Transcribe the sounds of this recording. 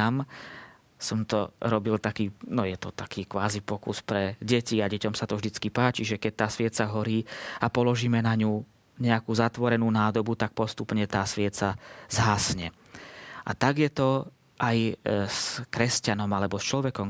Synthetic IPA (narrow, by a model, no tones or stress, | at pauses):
am | sɔmt̪ɔɾɔbilt̪akiːnɔjɛt̪ɔt̪akiːkʋaːzipɔkuspɾɛɟɛciaɟɛcɔmsat̪ɔvʒd̪it͡skipaːt͡ʃiʒɛkɛc̚t̪aːsʋɪɛt̪t͡saɦɔɾiːapɔlɔʒiːmɛnaɲu | ɲɛakuːzat̪ʋɔɾɛnuːnaːd̪ɔbut̪ak̚pɔst̪upɲɛt̪aːsʋɪɛt̪t͡sazɦaːsɲɛ | ʔa̰t̪aɡjɛt̪ɔ | ʔajskɾɛscanɔmalɛbɔst͡ʃlɔʋɛkɔm